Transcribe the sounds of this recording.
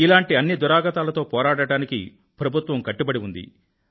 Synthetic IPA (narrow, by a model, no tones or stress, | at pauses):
ilaːɳʈiɐnːid̪uɾaːɡɐt̪aːlɐt̪o̞ːpɔːɾaːɽɐɽaːnikḭ | pɾɐbʱut̪ʋɐmkɐʈːubɐɽiund̪ḭ